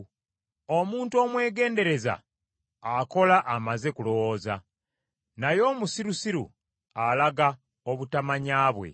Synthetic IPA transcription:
omuːntuo̞ːmwe̞ːɡe̞ːnde̞ɾe̞za̰ː | ko̞laʔːmaze̞kulo̞wo̞ːza̰ | najo̞ːmusiɾusiɾṵ | alaɡa | oβutamaɲaːβwe̞̰

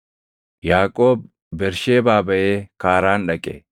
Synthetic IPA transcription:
jaːkʼo̞ːb | bɛɾʃeːbaːbɐjeːkaːɾaːnɗɐkʼḛː

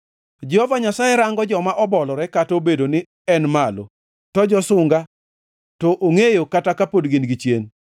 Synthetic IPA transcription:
d͡ʒɛhɔvaɲasajeɾaŋɡɔd͡ʒɔmaʔɔbɔlɔɾɛkatobedonɪ | ɛnmalo̰ | tɔd͡ʒɔsʊŋɡa | tɔʔoŋejokatakapodɡɪnɡit͡ʃjen

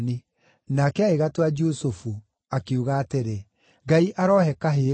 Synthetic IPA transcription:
ni | nakɛaeɣatwad͡ʒusufu | akeuɣaːteɾe | ɡaiʔaɾɔɦɛkaɦeː

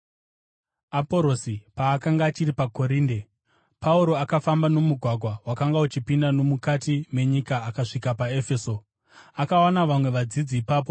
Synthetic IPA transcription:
apo̞ɾo̞sipaːkaŋɡaːt͡ʃiɾipako̞ɾiːnde | pauɾo̞akafambano̞muɡʱwaɡʱwawakaŋɡaut͡ʃipindano̞mukatimwe̞ɲikaːkaʂikapaefe̞ːso̞ | akaanaʋamwe̞ʋad͡zid͡ziːpaːp̬o

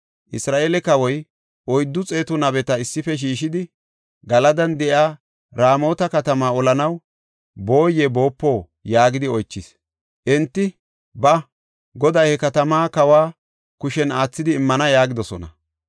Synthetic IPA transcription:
ʔɪsɾaːʔeːlɛkɐwɔj | ʔɔjd̪ːʊt͡sʼe̞ːt̪ʊnɐbɛt̪ɐɪsːɪfɛʃ̬iːʃɪd̪ɪ | ɡɐlɐd̪ɐnd̪ɛʔjaː | ɾaːmo̞ːt̪ɐkɐt̪ɐmaːɔlɐnɐw | bo̞ːjɛbo̞ːpːo̞ː | jaːɡɪd̪ɪɔjt͡ʃːɪs | ʔɛnt̪ːɪ | bɐ | ɡɔd̪ɐjhɛkɐt̪ɐmaːkɐwaː | kʊʃɛnaːt͡sːɪd̪ɪːmːɐnɐjaːɡɪd̪ɔsɔ̰nɐ̰

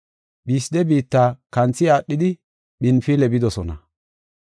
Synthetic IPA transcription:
biːsɪd̪ɛbiːt̪ːaːkɐnt͡sːɪaːɗːɪd̪ɪ | ɓɪnfilɛbɪd̪ɔsɔnɐ̰

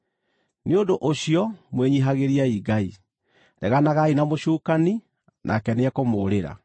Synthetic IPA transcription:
neodoʔoɕijɔmweɲiɦaɣeɾiaiɡai | ɾɛɣanaɣainamoɕuːkani | nʔa̰kɛneakomoːɾeɾa̰

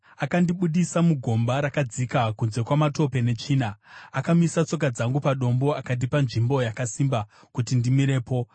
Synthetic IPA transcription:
akandiɓuɗisamuɡʱo̞mbaɾakad͡zikakunze̞kwamato̞pe̞ne̞t͡ʃiːnaakamisat͡so̞k̬ad͡zaŋɡupaɗo̞mbo̞akat̬ipanʐimbo̞jakasimba | kutindimiɾe̞ːpo̞

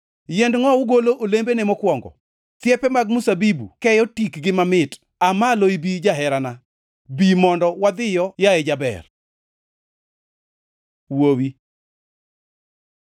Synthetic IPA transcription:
jɛndŋɔʊɡoloʔolembenɛmɔkwɔŋɡɔ̰ | t̪jɛpɛmaɡ̚musabibṵkɛjɔtikɡɪmamɪt | amaloibid͡ʒaɦɛɾana | bimɔndɔwad̪ɪjɔjaɛd͡ʒabɛ̰r | wowi

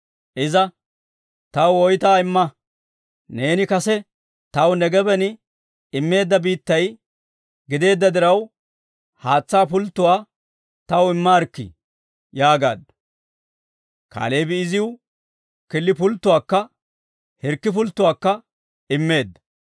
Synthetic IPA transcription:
ʔɪzɐ | t̪ɐwɔjt̪aːɪmːɐ | ne̞ːnɪkɐsɛ | t̪ɐwnɛɡɛbɛnɪ | ɪmːe̞ːd̪ːɐbiːt̪ːɐj | ɡɪd̪e̞ːd̪ːɐd̪ɪɾɐw | haːt͡sːaːp̬ʊlt̪ːʊwaː | t̪ɐwɪmːaɾkːḭ | jaːɡa̰ːd̪ːɐ | ka̰ːlejbɪɪzɪw | kɪlːɪpʊlt̪ːʊwaːkːɐ | hɛɾkːɪpʊlt̪ːʊwaːkːɐ | ɪmːe̞ːd̪ːɐ̥

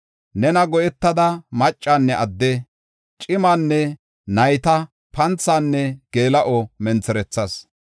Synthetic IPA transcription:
nɛnɐɡɔjɛt̪ːɐd̪ɐmɐt͡ʃʼːaːnːɛʔɐd̪ːe | t͡ʃʼɪmaːnːɛ | nɐjt̪ɐ | pɐnt͡sːaːnːɛɡ̥eːlɐʔɔmɛnt͡sɛɾɛt͡sːɐs

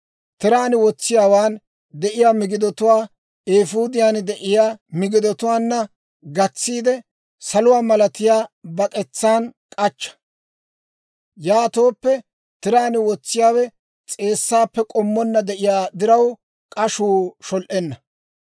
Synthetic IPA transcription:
t̪ɪɾaːnɪwɔt͡sːɪjaːwaːn | d̪ɛʔɪjaːmɪɡɪd̪ɔt̪ʊwaː | eːfuːd̪ɪjaːnd̪ɛʔɪjaːmɪɡɪd̪ɔt̪ʊwaːnːɐ | ɡɐt͡sːiːd̪ɛ | sɐlʊwaːmɐlɐt̪ɪjaːbɐkʼɛt͡sːaːnkʼɐt͡ʃːɐ̥ | jaːt̪o̞ːpːɛ | t̪ɪɾaːnɪwɔt͡sːɪjaːwɛ | t͡sʼe̞ːsːaːpːɛkʼɔmːɔnːɐd̪ɛʔɪjaːd̪ɪɾɐw | kʼɐʃuːʃɔlʔɛnːɐ

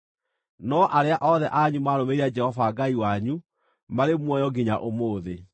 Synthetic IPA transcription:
nɔʔaɾeaʔɔðɛʔaɲumaːɾomeɾiad͡ʒɛhɔvaːɡaiwaɲu | maɾemwɔjɔɡiɲaʔomoːðe

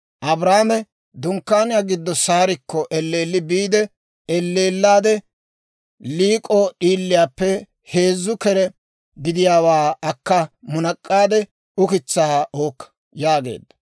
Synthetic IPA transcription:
ʔɐbɾaːmɛ | d̪ʊŋkːaːnɪjaːɡɪd̪ːɔsaːɾɪkːɔʔɛlːeːlːɪbiːd̪ɛ | ɛlːeːlːaːd̪ɛ | liːkʼɔɗiːlːɪjaːpːɛ | he̞ːzːʊkɛɾɛ | ɡɪd̪ɪjaːwaːɐkːɐmʊnɐkʼːaːd̪ɛ | ʊkɪt͡sːaːʔoːkːɐ̥ | jaːɡe̞̰ːd̪ːɐ̥

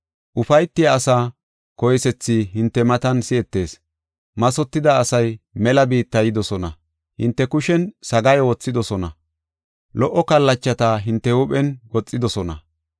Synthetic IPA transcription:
ʔʊfɐjt̪ːɪjɐːsaː | kɔjsɛt͡sːɪɦɪnt̪ːɛmɐt̪ɐnsɪɛt̪ːe̞ːs | mɐsɔt̪ːɪd̪ɐːsɐjmɛlɐbiːt̪ːɐjɪd̪ɔsɔnɐ̰ | hɪ̰nt̪ːɛkʊʃɛnsɐɡɐjwɔt͡sːɪd̪ɔsɔnɐ̰ | lɔʔːɔkɐlːɐt͡ʃːɐt̪aɦɪnt̪ːɛʊɓɛnwɔt͡sʼːɪd̪ɔsɔnɐ̰

